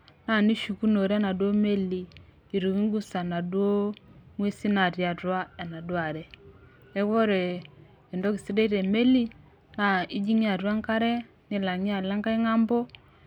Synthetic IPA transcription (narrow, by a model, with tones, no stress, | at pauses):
na˨ni˦ʃu˨ku˦no˨ɾa˦na˨dwɔ˦mɛ˦liː˨ | ɾu˨ɣi˦ŋɡu˦sa˨na˨dwo˦ŋwɛ˦si˦na˨ɾja˨ɾwa˦a˨na˨dwa˨ɾɛ˨ | ɛ˦βɔ˦ɾɛ˨ | ɛ˨ndɔ˦ki˨si˦ɾɛ˦i˦ɾɛ˨mɛ˦li˦ | na˨i˦d͡ʒi˦ŋi˦a˨ɾwa˦ŋka˦ɾɛ˦ | ni˨la˨ŋi˦a˨la˦ŋka˦i˦ŋa˦mbɔ˦